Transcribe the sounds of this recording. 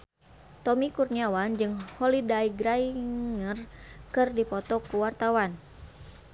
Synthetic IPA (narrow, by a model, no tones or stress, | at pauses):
t̪ɔmikurniawand͡ʒɨŋhɔlidaiɡɾaiŋərkɨrdipɔt̪ɔkuwart̪awan